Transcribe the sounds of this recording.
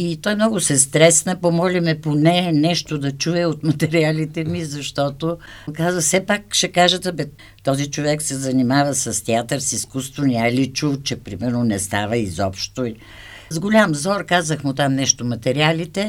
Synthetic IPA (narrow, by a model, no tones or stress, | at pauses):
it̪ɔjmnɔɡʊsɛst̪ɾɛsnəpomɔlʲɛmɛponɛnɛʃt̪od̪ɐt͡ʃuɛot̪mɐt̪ɛɾialit̪ɛmizɐʃt̪ɔt̪o | kazəsɛpakʃɛkaʒət̪əbɛ | t̪ːɔzit͡ʃovɛksɛzɐnimavəsɐst̪ɛat̪əɾsiskust̪vonʲialit͡ʃut͡ʃɛpɾimɛɾnonɛst̪avəizɔpʃt̪o | zɡolʲamzɔɾkazəxmʊt̪amnɛʃt̪omɐt̪ɛɾialit̪ɛ